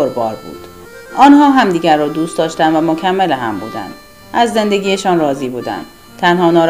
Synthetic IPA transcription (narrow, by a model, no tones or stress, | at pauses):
oɾbɒːɾbṵːd̪̥ | ɒːnhɒːɦæmd̪iːɟæɾːɒːd̪uːst̪ɒːʃt̪ænd̪væmocʰæmːeleɦæmbuːd̪æ̰nd̪̥ | ʔæzːe̞nd̪eɡʲiːjeʃɒːnrɒːziːbuːd̪æ̰nd̪̥ | t̪ʰænhɒːnɒːɾ